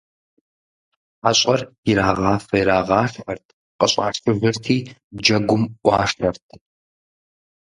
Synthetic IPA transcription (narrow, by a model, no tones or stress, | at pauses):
aɕʼɐriɾaːʁɑːfɐjɾaːʁɑːʂħɐrtʰ | qʼəɕʼa̰ːʂfɨvɨrtʰiːd͡ʒɐɡʷʊmʔʷɑːʂɐrtʰ